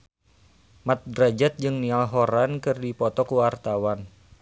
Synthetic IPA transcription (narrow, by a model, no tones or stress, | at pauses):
mat̪̚dɾad͡ʒat̪̚d͡ʒɨŋnialɦɔɾankɨrdipɔt̪ɔkuwart̪awan